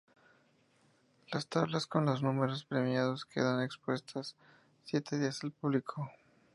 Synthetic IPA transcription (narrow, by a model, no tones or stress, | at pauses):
last̪aβlasko̞nlo̞znume̞ɾospɾe̞mjað̞o̞skʰe̞̰ðane̞kspwe̞st̪ʰasː | je̞t̪e̞ðiasalpuβlikʰo